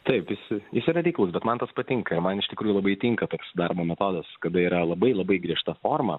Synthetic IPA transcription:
t̪ɐɪpjɪsjɪsiːɾɐɾʲɛɪklˠʊsbʲɛt̪mɐnt̪ɐspɐt̪ʲɪŋkɐɪɾmɐnɪʃt̪ʲɪkɾuːjulˠɐbɐɪt̪ʲɪŋkɐt̪oːksd̪ɐrboːmʲɛt̪oːd̪ɐskɐd̪ɐiːɾɐlˠɐbɐɪlˠɐbɐɪɡɾʲiɛʃt̪ɐfoːrmɐ

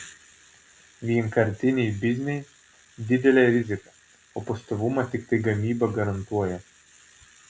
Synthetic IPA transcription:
ʋʲiɛŋkɐɾʲt̪ʲɪnʲɛjbʲɪzʲnʲɛj | d̪ʲɪd̪ʲɛlʲɛɾʲɪzʲɪkɐ | opɐst̪oʋumɐt̪ʲɪkt̪ɐɪɡɐmʲiːbɐɡɐɾɐnt̪uɔjɛ

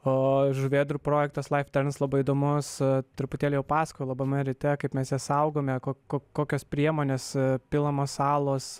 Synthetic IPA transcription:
oːʒʊʋʲeːd̪ɾupɾoːjɛk̚t̪ɐslˠɐɪft̪ʲɛɾʲnslˠɐbɐɪid̪oːmʊst̪ʲɾɪpʊt̪ʲeːlʲɪjɛʊpɑːskojlˠɐbɐmɐɾʲɪt̪ʲɛkɐɪpmʲɛsjɛsɐʊɡoːmʲɛkoːkoːkːoːkʲoːspʲɾʲiɛmoːnʲeːspʲɪlˠɐmoːsɑːlˠoːs

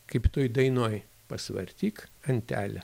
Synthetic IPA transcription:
kɐɪpt̪oːjd̪ɐɪnoːj | pɐsʋɐ̰ɾʲt̪ʲiːkɐnʲt̪ʲæ̰ːlʲɛ

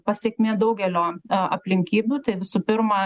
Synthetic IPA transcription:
pɐsʲeːkʲmʲeːd̪ɐʊɡʲɛlʲoːʔɐ̰pʲlʲɪŋʲkʲiːbʲuːt̪ɐɪʋʲɪsuːpʲɪrmɐ

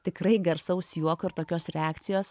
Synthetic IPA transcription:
t̪ʲɪkrɐɪɡɐɾsɐʊsjuɔkoɪɾt̪oːkʲoːsɾʲɛaːkt̪sʲɪjoːs

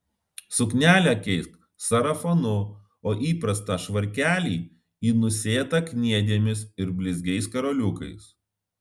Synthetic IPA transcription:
sʊknʲæːlʲækʲɛɪst̪ | sɐɾɐfonʊ | oːʔiːpɾɐst̪ɑːʃʋɐɾʲkʲæːlʲiː | iːnʊsʲeːɛt̪ɐkʲnʲiɛd̪ʲiɛmʲɪsɪɾbʲlʲɪzʲɡʲɛɪskɐɾoːlʲʊkɐɪs

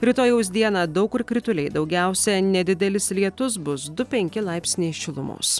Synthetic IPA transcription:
ɾʲit̪oːjɛʊs̬ʲd̪ʲiɛnɑd̪ɒʊkɪɾkɾʲɪt̪ʊlʲɛɪd̪ɒʊɡʲæˑʊsʲɛnʲɛd̪ʲɪd̪ʲɛlʲɪslʲiɛt̪ʊs̬bʊsd̪ʊpʲɛŋʲkʲɪlˠɑˑɪpʲsʲnʲeːsʃʲɪlˠʊmo̰ːs

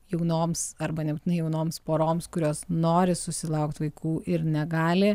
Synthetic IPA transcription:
jɛʊnoːmsɐɾbɐnʲɛbʊtʲɪnɐɪjɛʊnoːmspoːɾoːmskʊɾʲoːsnoːɾʲɪsʊsʲɪlˠɐʊkt̪ʋɐɪkʰuːʔɪɾnʲɛɡɑːlʲɪ

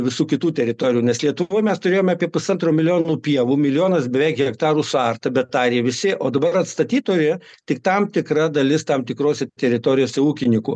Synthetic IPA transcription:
ʋʲɪsuːkʲɪt̪uːt̪ʲɛɾʲɪt̪oːɾʲɪjuːnʲɛslʲiɛt̪ʊʋoːjmʲɛst̪ʊɾʲeːjoːmʲɑːpʲiɛpʊsɐnt̪roːmʲɪlʲɪjoːnuːpʲiɛʋuːmʲɪlʲɪjoːnɐsbʲɛʋʲɛɪkɛkt̪ɑːɾuːsʊɐrt̪ɐbʲɛt̪̚d̪ɑːɾʲeːʋʲɪsʲɪʔoːd̪ɐbɐɾɐt̪st̪ɐt̪ʲiːt̪oːjʲɪ | t̪ʲɪk̚t̪ɐmt̪ʲɪkrɐd̪ɐlʲɪst̪ɐmt̪ʲɪkɾoːsʲɛt̪ʲɛɾʲɪt̪oːɾʲɪjoːsʲɛuːkʲɪnʲɪkʊ̰

